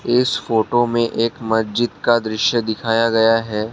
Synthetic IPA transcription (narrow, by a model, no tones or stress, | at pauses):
ɪsfoːʈomẽʔeːkmɐsd͡ʒɪd̪kad̪ɾɪʃjəd̪ɪkʰaːjaɡɐjaɦɛː